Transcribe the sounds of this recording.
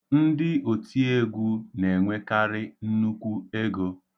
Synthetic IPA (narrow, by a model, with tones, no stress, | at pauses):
n̩˦dɪ˦o˨ti˦e˦ɡʷu˦ne˨ŋʷe˦ka˦ɾɪ˦n̩˦nu˦kʷu˦e˦ɡo˦